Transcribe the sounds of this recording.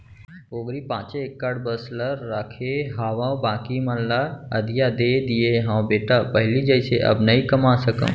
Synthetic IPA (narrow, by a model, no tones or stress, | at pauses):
oːɡɾipãːt͡ʃekːəɽbəsləɾːaːkʰeɦaːʋãbãːkiməllaɐd̪ijad̪eːd̪ijeɦãwbeːʈapɐɦɪlid͡ʒɐɪseʔɐ̰bnɐɦikɐmasəkə̰̃